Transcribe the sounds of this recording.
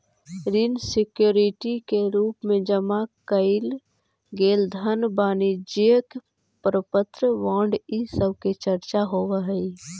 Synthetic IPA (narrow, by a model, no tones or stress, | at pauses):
ɾinsɪkjoːɾɪʈikeɾuːpmẽd͡ʒəmakəɪl | ɡeːld̪ʱənbaːnid͡ʒeək | pɾəpət̪ɾəʋãːɳɖisəb̚ket͡ʃəɾt͡ʃaɦoːʋəɦɛi